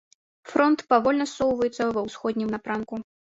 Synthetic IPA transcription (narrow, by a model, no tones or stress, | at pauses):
fɾɔnt̪pavɔlʲnɐsːɔwvɐjɛt̪sːɐvɐwsxɔd̪ʲnʲimnapɾanku